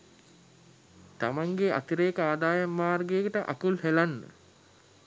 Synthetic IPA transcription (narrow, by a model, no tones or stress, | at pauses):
t̪amaŋɡea̰t̪iɾeːkəaːd̪aːjamːaːrɡejːkəʈəʔa̰kulhelanːə̰